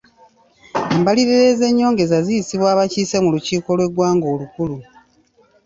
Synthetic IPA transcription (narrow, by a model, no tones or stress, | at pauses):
embaliɾeɾe̞ze̞ɲːo̞ːŋɡe̞zazijisiβwaːβaciːse̞muluciːko̞lwe̞ɡwaːŋɡo̞ːlukulu